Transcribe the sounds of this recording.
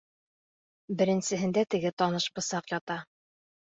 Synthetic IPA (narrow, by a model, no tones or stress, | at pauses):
bɘ̆ɾɘ̆nsɘ̆ɦɘ̆nd̪æt̪ɘ̆ɡɘt̪ɒnɤʃbɤ̆sɑqjɑt̪ɑ